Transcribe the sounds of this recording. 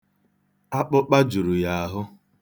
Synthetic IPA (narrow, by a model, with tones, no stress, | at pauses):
a˦k͡pʊ˦k͡pa˦d͡ʒu˨ɾu˨ja˨a˦˨ɦʊ˦